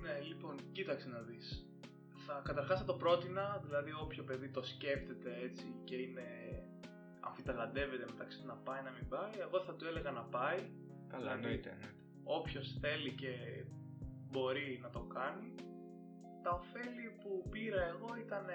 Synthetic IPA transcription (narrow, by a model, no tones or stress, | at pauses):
ne̞lipo̞ncit̪ɐksenɐðis | θɐkɐt̪ɐɾxɐsɐt̪o̞pɾo̞t̪inɐðilɐðio̞pço̞pe̞ðit̪o̞sce̞ft̪e̞t̪e̞e̞t͡sice̞ine̞ | ɐ̰ɱfit̪ɐlɐnd̪e̞ve̞t̪emet̪ɐksinɐpɐinɐmimbɐie̞ɣo̞θɐt̪ue̞le̞ɣɐnɐpɐi | kɐlɐnoit̪e | o̞pço̞sθe̞lice̞ | bo̞ɾinɐt̪o̞kɐni | t̪ɐofe̞lipupiɾɐe̞ɣo̞it̪ɐn